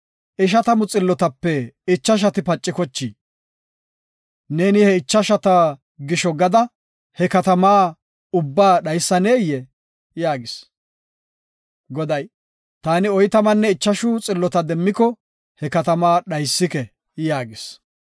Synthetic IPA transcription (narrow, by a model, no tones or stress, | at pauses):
ʔɪʃ̬ɐt̪ɐmʊt͡sʼɪlːɔt̪ɐpːɛɪt͡ʃːɐʃ̬ɐt̪ɪpɐt͡ʃʼːɪkɔt͡ʃːiː | ne̞ːnɪhɛɪt͡ʃːɐʃɐt̪ɐ | ɡɪʃɔɡɐd̪ɐ | hɛkɐt̪ɐmaː | ʊbːaːɗɐjsːɐneːjɛ | jaːɡɪs | ɡɔd̪ɐj | t̪aːnɪɔjt̪ɐmɐnːɛɪt͡ʃːɐʃʊt͡sʼɪlːɔt̪ɐd̪ɛmːɪkɔ | hɛkɐt̪ɐmaːɗɐjsːɪkɛ | jaːɡɪs